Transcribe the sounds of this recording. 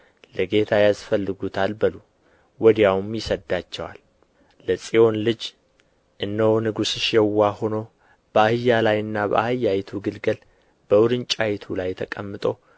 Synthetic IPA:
ləɡe̞t̪ʰajasfəlːɨɡut̪ʰalbəlu | wɔd̪jawmjɪsəd̪at͡ʃːɛwa̰lː | əsʼio̞nlɨd͡ʒ | ʔɨnːəwnɨɡusɨʃjɛwːaho̞no | b̥əahɨjːalajɨnːabə̰ʔahɨjːajt̪ʰuɡɨlɡəl | b̥əwɾɨnt͡ʃʼajt̪ʰulajt̪ʰəkʼəmːɨt̪ʼo̞

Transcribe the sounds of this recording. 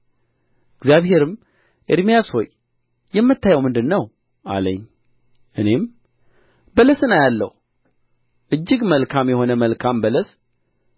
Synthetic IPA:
ɨɡzjaβhe̞ɾɨm | ʔeɾmijasho̞j | jːɛmːɨt̪ʰːajəwmɨnd̪ɨnːəw | a̰lə̰ɲː | ʔɨne̞m | bələsɨnajalːə̰h | ʔɨd͡ʒːɪɡməlkʰamjɛho̞nəməlkʰambələs

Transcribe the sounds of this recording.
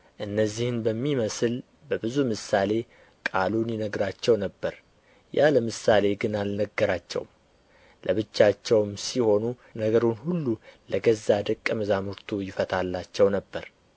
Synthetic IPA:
ʔɨnːəzːihɨnbəmːiməsɨl | bəbɨzumɨsale̞ | kʼalunjɪnəɡɾat͡ʃːɛwnəbːəɾ | ja̰ləmɨsale̞ɡɨnalnəɡːəɾat͡ʃːɛ̰wm | lʔəβɨt͡ʃːat͡ʃːɛwmsiho̞nu | nəɡəɾonhulːuləɡəzːad̪əkʼːəməzamɨɾt̪ʰujɪfət̪ʰalːat͡ʃːɛwnəbːəɾ

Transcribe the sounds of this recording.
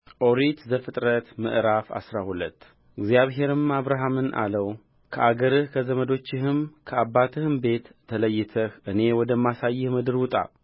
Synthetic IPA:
ʔo̞ɾit̪zəfɨt̪ʼɾət̪mɨ̰ʔɾafa̰sɾahulət̪ː | ɨɡzjaβɦe̞ɾɨmaβɾaɦamɨnʔa̰ləw | kʰəʔaɡəɾɨhkʰəzəməd̪o̞t͡ʃːɪhɨmkʰəabːat̪ʰɨhɨmbe̞t̪ʰːələjːɪt̪ʰəhɨne̞wɔd̪əmːasajːɪhmɨd̪ɨɾwʊt̪ʼa̰

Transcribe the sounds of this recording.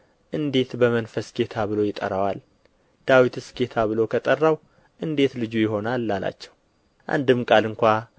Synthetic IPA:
ʔɨnd̪e̞t̪bəmənfəsɡe̞t̪ʰaβɨlo̞jɪt̪ʼə̰ɾəwal | d̪̥awit̪ʰɨsɡe̞t̪ʰaβɨlo̞kʰət̪ʼərːaw | ʔɨnd̪e̞t̪lɨd͡ʒujɪɦo̞nalːala̰t͡ʃːɛw | ʔa̰nd̪ɨmkʼalɨŋkʷa

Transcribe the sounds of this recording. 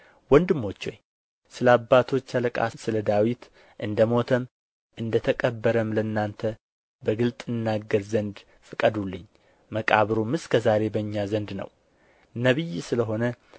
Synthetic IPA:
wɔnd̪ɨmːo̞t͡ʃːo̞̰ɲː | sɨlabːat̪ʰo̞t͡ʃːələkʼa̰sɨləd̪awit̪ | ʔɨnd̪əmo̞t̪ʰəm | ʔɨnd̪ət̪ʰəkʼəbːəɾəmləɨnːant̪ʰə | bəɡɨlt̪ʼɨnːaɡːəɾzənd̪ | fɨkʼəd̪ulːɨ̰ɲː | məkʼaβɾomɨskʰəzaɾe̞bəɲːazənd̪nə̰w | nəβijsɨləɦo̞nə

